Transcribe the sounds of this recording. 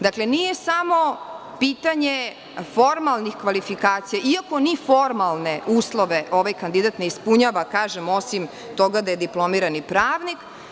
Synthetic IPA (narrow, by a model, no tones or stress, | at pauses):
d̪aklenije̞samo̞ | piːt̪aɲe | fo̞ɾmalˠnixkʋalifikaːt̪sijaʔiako̞nifo̞ɾmalˠneuːslˠo̞ʋeʔo̞ʋajkand̪id̪at̪ne̞ispuɲaːʋakaːʒemo̞sim | t̪o̞ɡad̪aje̞d̪iplˠo̞miɾanipɾaːʋnik